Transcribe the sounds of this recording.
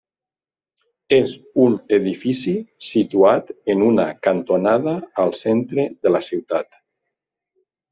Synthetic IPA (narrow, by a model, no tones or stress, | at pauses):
ez | uneðifisisit̪uat̪enunakant̪onaðaːlˠsent̪ɾeðəlasiwt̪at̪